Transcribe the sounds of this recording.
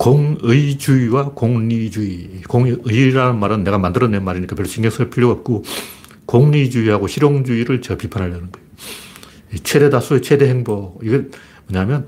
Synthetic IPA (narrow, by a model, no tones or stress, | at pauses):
koŋɯid͡ʑuiwakoŋɲid͡ʑuikoŋɯiɾanɯnmaɾɯnːe̞ɣamandɯɾʌnenmaɾiɲikapjʌɭɕ͈ʰiŋɡesʰɯɭpʰiɭjʌɡʌp̚k͈o | koŋɲid͡ʑuiɦaɡoɕʰiɾjoŋd͡ʑuiɾɯɭt͡ɕʌpipʰanɦaɭjʌnɯnɡʌjo | et͡ɕʰe̞de̞das͈ʰuet͡ɕʰe̞deɦe̞ŋboiɡe | mʌɲamjʌn